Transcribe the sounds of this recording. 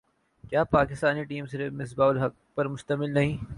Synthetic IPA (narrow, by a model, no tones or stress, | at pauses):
kjaːpaːkɪst̪aːniʈiːmsɪɾmɪs̬baːʊlɦɐk̚ | pɐɾmʊʃt̪ɐmɪlnɐɦĩː